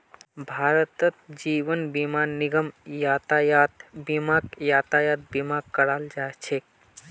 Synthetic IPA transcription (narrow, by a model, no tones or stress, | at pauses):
bʱaːɾət̪ət̪d͡ʒiːʋənbimaːniɡəmjaːt̪ajat̪bimakjaːt̪ajaːt̪̚bimakkːəɽaːld͡ʒaːet͡ʃʰek